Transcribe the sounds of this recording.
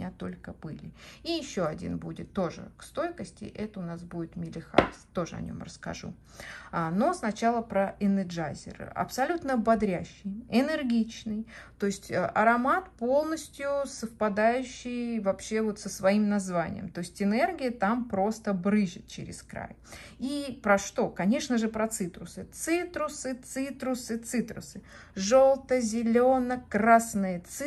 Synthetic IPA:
mɪnʲat̪o̞lʲkəb̥ɨlʲɪijɪɕːoɐdʲḭnbudʲɪt̪ːo̞ʐɨ̰kst̪o̞jkəsʲtʲɪ̰ʔɛt̪əʊnasbudʲɪt̪mʲɪlʲɪxa̰st̪o̞ʐɨ̰ɐ̰nʲo̞̰mrəskɐ̰ʐṵ | no̞snɐt͡ɕalˠəpɾəʔɛnɨd͡ʐazʲɪ̰r̰ɐ̰psɐlʲut̪nəbɐd̪ɾʲæɕːɪjɪnɨrɡʲit͡ɕnɨjt̪o̞ɪsʲtʲəʔɐɾɐmat̪po̞lˠnəsʲtʲjʊsəfpɐd̪ajʉɕːɪjvɐpɕːe̞vo̞t̪səsvɐimnɐzvanʲɪ̰jə̰mt̪o̞ɪsʲtʲɪne̞rɡʲɪjət̪ampɾo̞st̪əbɾɨʐɪt̪̚t͡ɕɪ̰ɾʲɪ̰skɾa̰j | ipɾɐʂt̪o̞kɐnʲe̞ʂnəʐɨpɾɐt̪sɨt̪ɾʊsɨt̪sɨt̪ɾʊsɨt̪sɨt̪ɾʊsɨt̪sɨt̪ɾʊ̰sɨ | ʐo̞lˠt̪əjəzʲɪlʲo̞nəkrasnɨjət̪sɨ

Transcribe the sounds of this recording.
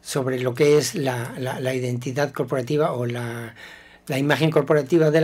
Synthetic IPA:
so̞βɾelo̞ke̞eslalalaiðe̞nt̪iðaðko̞ɾpo̞ɾat̪iβaola | laimaxe̞ŋko̞ɾpo̞ɾat̪iβaðe

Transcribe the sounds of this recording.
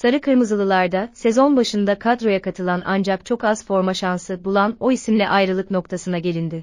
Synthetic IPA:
saɾɯkʰɯɾmɯzɯlˠɯlˠaɾd̪ase̞zo̞nbaʃɯnd̪akʰad̪ɾo̞jakʰat̪ʰɯlˠana̰nd͡ʒak̚t͡ʃʰo̞kazfo̞ɾmaʃansɯbulˠano̞isimlʲɛʔajɾɯlˠɯknok̚t̪ʰasɯnaɟe̞lʲind̪ɪ

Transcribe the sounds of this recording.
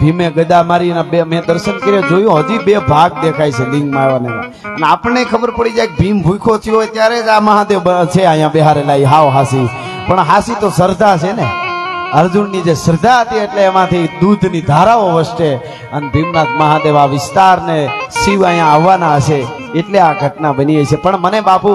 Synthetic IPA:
bʱimẽɡəd̪amaɾinebemɛ̃d̪əɾʃənkəɾied͡ʒojũɦəd͡ʒibebʱaɡ̚d̪ekʰait͡ʃʰelɪ̃ŋɡmaʋanḛ | əneapəɳekʰəbəɾpəɽid͡ʒaek̚bʱimbʱujkʰot͡ʃʰiojt̪jaɾeaməɦãd̪eʋt͡ʃʰeajãbeɦaɾelaiɦaʋɦasi | pəɳɦasit̪osəɾd̪ʱat͡ʃʰeneəɾd͡ʒunːid͡ʒesəɾd̪ʱaɦət̪ieʈleːmãt̪ʰid̪ud̪ʱnid̪ʱaɾaʋoʋəʃʈe | ənebʱimnat̪məɦãd̪eʋaʋɪst̪aɾnesiʋajãaʋːanaəʃeː | ʈleaɡʱəʈnabəniait͡ʃʰepəɳmənebapu

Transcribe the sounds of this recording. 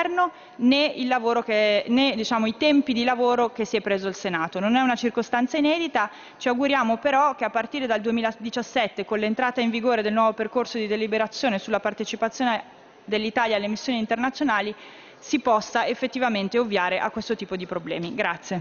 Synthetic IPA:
rno | neilːavoːɾokened̪it͡ʃaːmoit̪ɛmpid̪ilavoːɾok̟esːiɛpːɾeːzoalsenaːt̪ononɛunat͡ʃirkost̪ant̪sainɛːd̪it̪a | t͡ʃiaɡuɾjaːmopeɾɔk̟eapːart̪iːɾed̪ald̪uemiːlad̪it͡ʃasːɛt̪ːekonlent̪ɾaːt̪aiɱviɡoːɾed̪elnwɔːvoperkorsod̪id̪elibeɾat̪sːjoːnesulːapart̪et͡ʃipat̪sːjoːne | d̪elːit̪aːljaːlːemisːjoniːnt̪ernat̪sjonaːli | sipɔsːaefːet̪ːivament̪eovjaːɾeʔa̰kːwest̪ot̪iːpod̪ipɾoblɛ̰ːmiɡɾat̪sːje

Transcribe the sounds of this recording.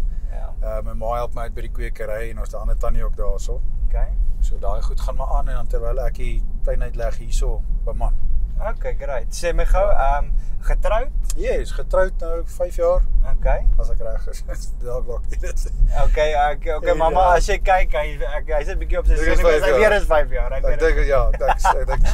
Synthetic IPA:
a̰əːməmɑːɦælˠpməœt̚bəjdikwiəkəɾɛjɛndɔːsdəɐndətɐniɔk̚dɑːsookejsuədɑːiχutχɑːnmɑʔɑːnɛndɐntərvɛjləækitɛjnəɥtlæχɦiːsobəmɐnokejɡəɾɛjtsɛməjχowəːmχətrəwtjɛsχətrœwt̚nəwfɛjfjɑːrokejɐsɛkræχəs | sdɔːvɑkiɾəsokekokemɐmɐɐsjəkɛjkːɐnækɐjsət̚bikiɔpsəəsfɛsɑːiəɾəsfɛjfjɑːɾɛɛdəŋkjɑːɛksæk̚dəŋk

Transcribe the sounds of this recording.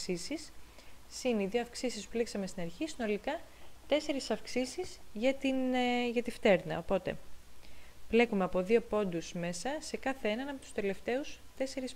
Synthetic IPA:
sisisː | ineiðio̞ɐfksisispuleksɐmest̪inɐɾçisino̞likɐt̪e̞se̞ɾisɐfksisizʝɐt̪inʝɐt̪ift̪e̞ɾnɐ̰o̞po̞t̪e̞̰ | vle̞kume̞ɐpo̞ðio̞po̞nd̪usme̞sɐse̞kɐθeenɐnɐpot̪u̥st̪e̞le̞ft̪e̞ust̪e̞se̞ɾis

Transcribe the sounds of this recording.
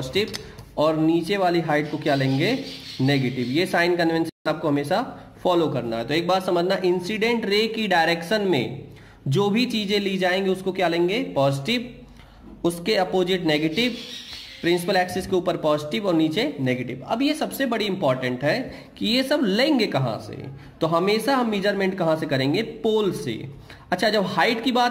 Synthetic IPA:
zɪʈɪbɔːɾniːt͡ʃeʋaːliɦaːɪʈ̚kokjalẽːŋɡeneːɡeːʈɪbjesaːɪnkɐnʋɛ̃nʃənaːp̚koɦɐmeːʃa | fɔːlokɐɾna̰ɦɛt̪oeːk̚baːɾsɐməd͡ʒʱnaʔɪ̃nsiɖẽɳʈɾeːkːiɖaːɪɾeːkʃənmḛ̃ | d͡ʒoːbʱit͡ʃiːd͡ʒẽlid͡ʒaːẽːŋɡiʊskokjalẽːŋɡepɔːzɪʈɪb | ʊskeɐpoːzɪʈneːɡeːʈɪʋpɾɪ̃ns̬ɪpəlɛːksɛskeuːpəɾpɔːzɪʈɪbɔːɾniːt͡ʃeneːɡeːʈɪbɐ̰bjesɐbsebɐɽiɪ̃mpɔːɾʈə̃ɳʈɦɛ | kijesɐblẽːŋɡekɐɦã̰sḛ | t̪oɦɐmeːʃaɦɐmːiːd͡ʒəɾmẽɳʈ̚kɐɦãsekɐɾẽːŋɡepoːlsḛɐtːʃʰad͡ʒɐbhaːɪʈkibaːt̪

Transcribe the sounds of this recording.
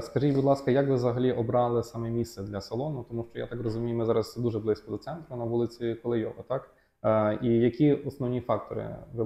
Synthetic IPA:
skɐʒitʲbud̪lˠɑskɐjɐkʋɪzɐɦɐlʲiʔɔbɾɑlˠɪsɑmɛmʲissɛd̪lʲɐsɐlˠɔnʊt̪ɔmuʃt͡ʃɔja̰t̪ɑkrɔzʊmʲijmɪzɑɾɐsd̪uʒɛblˠɪsʲkɔd̪ɔt̪sɛnt̪ɾʊnɐʋulˠɪt͡sʲikɔlˠɪjɔɦɔt̪ɑk | ijɐkʲiɔsnɔʋnʲifɑk̚t̪ɔɾɪ̰ʋɪ

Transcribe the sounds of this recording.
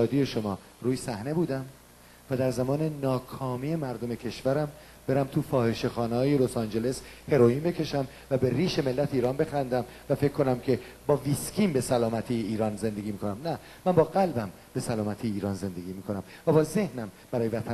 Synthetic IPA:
ɒːd̪ijeʃo̞mɒː | ɾuːjesæhne̞buːd̪æm | væd̪æɾzæmɒːne̞nɒːkʰɒːmiːemæɾd̪o̞me̞cʰe̞ʃvæɾæm | b̥e̞ɾæmt̪ʰufɒːhe̞ʃe̞xɒːnehɒːjelo̞sɑnd͡ʒe̞le̞she̞ɾo̞iːmbecʰe̞ʃæm | væbe̞ɾiːʃe̞me̞lːæt̪ʰeiːɾɒːnbexænd̪æm | væfe̞ckʰːo̞næmcʰe̞ | bɒːviskʰiːmbe̞sælɒːmæt̪ʰiːjeiːɾɒːnze̞nd̪e̞ɡiːmiːkʰo̞næmnæ | mænbɒːɣælbæm | b̥e̞sælɒːmæt̪ʰiːjeiːɾɒːnze̞nd̪e̞ɡʲiːmiːkʰonæm | væbɒːze̞hnæm | b̥æɾɒːjevæt̪ʰæn

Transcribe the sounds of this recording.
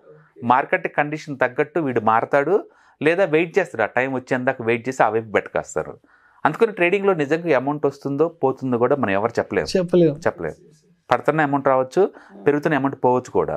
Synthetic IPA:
maːɾkeʈːikɐɳɖiʂɐnt̪ɐɡːɐʈːuʋiːɽumaːɾɐt̪aːɽu | lɛːd̪aːʋejʈ̚t͡ʃeːst̪aːɽuaːʈɐjmʋɐt͡ʃːeːɐnd̪aːkɐʋeːjʈ̚t͡ʃe̞ːsiaːʋɐjpibɛʈːɐ̥ka̰ːst̪a̰ːɾṵ | ɐnd̪ukɐniʈɾe̞ːɖiŋɡloːnid͡ʒɐŋɡaemɐwɳʈɐst̪und̪o̞ːpo̞ːt̪und̪okuːɽaːmɐnɐmɛʋɐɾut͡ʃɛpːɐleːmuɛpːɐlet͡ʃɛpːɐleːdu | pɐɽɐt̪ɐnːɐemɐwɳʈɾaːʋɐt͡ʃːupeɾuɡut̪uːnemɐɳʈpɔːʋɐt͡ʃːu̥kṵːɽa̰ː

